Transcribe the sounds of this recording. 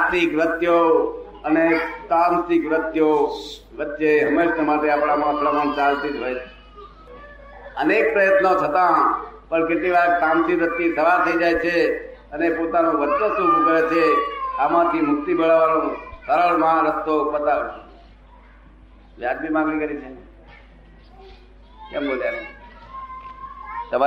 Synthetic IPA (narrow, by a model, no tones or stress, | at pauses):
at̪ikɾət̪jo | ənet̪amsikʋɾət̪joʋətːʃeɦəmeʃəmaʈeapɽ̃amãpɾəmaɳt͡ʃalt̪ikɦoet͡ʃʰe̥ | ənek̚pɾəjət̪not͡ʃʰət̪ãpəɳkeʈliʋaɾt̪ãmsiʋɾət̪ːit̪ʰəʋat̪ʰəid͡ʒajt͡ʃʰeənepot̪anõɾəst̪osuɾũkəɾet͡ʃʰeamãt̪ʰimʊkt̪ibʱəɭaʋanõsəɾalmãɾəst̪obət̪aʋet͡ʃʰe | ʋjad͡ʒbʱimãŋɡlikəɾit͡ʃʰe | kɛmbod͡ʒat͡ʃe | t̪əma